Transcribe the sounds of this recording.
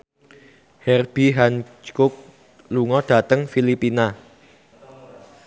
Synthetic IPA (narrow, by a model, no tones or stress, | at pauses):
hɛrb̥iɦant͡ʃkʊk̚ | luŋɔɖ̥a̤t̪əŋfilipina